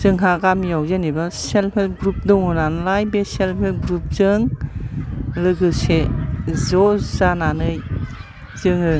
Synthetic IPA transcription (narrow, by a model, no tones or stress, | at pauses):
z̥ɯŋɦaɡamjawzɯnibaselmʰelɡɾup̚dɯŋunanlajbeselmʰelɡɾup̚zɯŋ | lɯɡɯsezɔzananɯj | zɯŋɯ